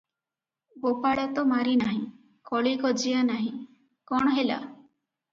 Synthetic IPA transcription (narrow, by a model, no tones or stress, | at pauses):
bopaɽat̪ɔmaɾinaɦĩ | kɔɭikɔd͡ʒijanaɦĩ | kɔɳ̃ɔɦela̰